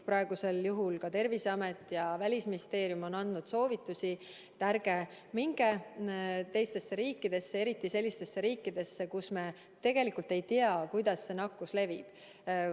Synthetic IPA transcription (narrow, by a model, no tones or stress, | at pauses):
pɾɑeɡ̥use̞ljuɦulkɑt̪e̞rviseɑme̞t̪ːˑjɑvælʲisminʲist̪e̞ːɾjumo̞nɑnd̪nud̪̥so̞ːvit̪ːˑusi | t̪ærɡ̥e | miŋɡ̥e | t̪e̞jst̪e̞sːe̞ɾiːkˑːid̪̥e̞sːee̞ɾit̪ːˑise̞lːist̪e̞sːe̞ɾiːkːˑid̪̥e̞sːe̞kusme̞ | t̪e̞ɡ̥e̞likult̪e̞jt̪iɑkujd̪ɑsːe̞nɑkːusle̞vib̥